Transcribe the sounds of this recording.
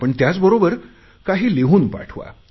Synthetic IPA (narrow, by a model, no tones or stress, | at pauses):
pəɳt̪jat͡sbəɾobəɾ | kaɦiːleɦuːnpa̰ʈʰʋa̰